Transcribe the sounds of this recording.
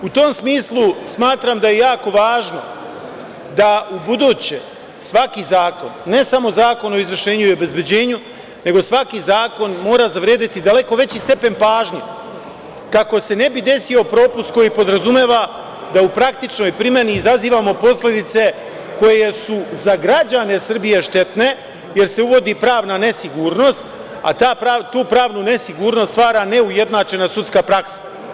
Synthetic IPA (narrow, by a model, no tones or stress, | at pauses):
ut̪oːmsmiːslˠusmaːt̪ɾamd̪ajejaːko̞ʋaːʒno̞ | d̪aubud̪uːt͡ɕe | sʋakizaːko̞nːe̞samo̞zaːko̞no̞izʋər̩ʃe̞ːɲuio̞be̞zbjed͡ʑe̞ːɲu | ne̞ɡo̞sʋakizaːko̞nmo̞ːɾazaʋɾjeːd̪it̪id̪ale̞ko̞ʋe̞t͡ɕist̪e̞pe̞npaːʒɲe | kako̞se̞ne̞bid̪e̞sio̞pɾo̞ːpust̪̚ko̞jipo̞d̪ɾazumjeːʋa | d̪aupɾak̚t̪it͡ʃno̞jpɾime̞niːzaziːʋamo̞po̞sle̞d̪it̪se̞ | ko̞je̞suzaɡɾad͡ʑane̞sr̩bije̞ʃt̪e̞t̪ne̞ | je̞ɾse̞uʋo̞d̪ipɾaːʋnane̞siɡuːɾno̞st̪ | a̰t̪aːpɾat̪uːpɾaːʋnune̞siɡuːɾno̞st̪ʋaːɾane̞uje̞d̪naːt͡ʃe̞nasut̪skapɾaksḁ